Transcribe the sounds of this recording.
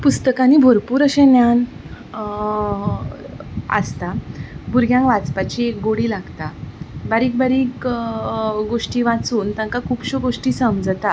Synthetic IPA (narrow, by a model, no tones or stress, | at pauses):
pust̪əkanibʱoɾpuːɾəɕẽnjan | ə̰st̪abʱuɾɡjãŋkʋat͡spat͡ɕiekɡoɽiːlaɡt̪abaɾiːk̚bəɾiːk | ɡoʂʈiːʋat͡suːnt̪jãŋkakʰuːpɕoɡoʂʈiːsəmd͡zt̪a